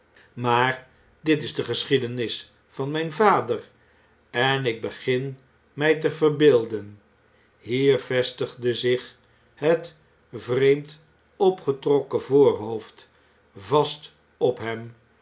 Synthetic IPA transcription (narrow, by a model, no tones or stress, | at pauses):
maːr | dɪtɪzdəχəsχidənɪs | fɑnmɛjnvaːdər | ɛnɪɡ̚bəχɪn | mɛjtəvərbɪːlˠdən | ɦiːɹvɛstəχdəzɪχ | ɦət | vrejmt | ɔpχətrɔkəvʊːɹɦowft | vɑst | ɔpɦɛm